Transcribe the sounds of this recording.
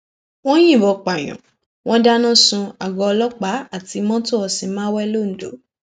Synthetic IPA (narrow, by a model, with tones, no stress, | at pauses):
w̃ɔ̃˦j̃ĩ˦˨bɔ˧˨k͡pa˨j̃ɔ̰̃˨ | w̃ɔ̃˦da˦nã˦˨sũ˧a˨ɡɔ˧lɔ˦k͡pa˨˦a˦˨ti˧mɔ̃˦to˦ɔ˧sĩ˧mãː˦wɛ˦lo˦˨n̩˨do̰˨˦